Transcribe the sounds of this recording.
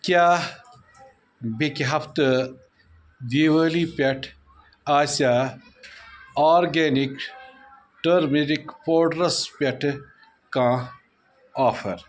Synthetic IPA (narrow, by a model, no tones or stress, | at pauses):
kʲjaː | bikɦɐpʰt̪ɨ | d̪iːʋəːlipʲɐʈʰ | aːsaː | aːɾɡeːnik | ʈɐɾmeɾikpoːɖɾɐspʲɐʈʰ | kãː | aːfʰɐɾ